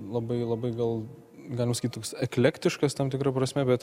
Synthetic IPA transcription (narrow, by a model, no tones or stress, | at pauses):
lˠɐbɐɪlˠɐbɐɪɡɐlˠ | ɡɑlʲɪmɐsɐkit̪oːksɛklʲɛkt̪ʲɪʃkɐst̪ɐmt̪ʲɪkɾɐpɾɐsʲmʲɛbʲɛt̪